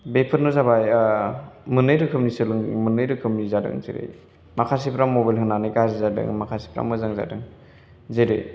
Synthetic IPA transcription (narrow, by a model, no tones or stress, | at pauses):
bepʰɯɾnuzabaj | mɯnɯjɾɯkʰɯmnisɯlɯŋmɯnɯjɾɯkʰɯmnizadɯ̰ŋzḭɾḛj | makʰas̬ipɾamːobajlɦɯŋnanɯjkazizadɯ̰ŋmakʰasi̥pʰɾa̰mɯzaŋza̰dɯŋ | zeɾḛj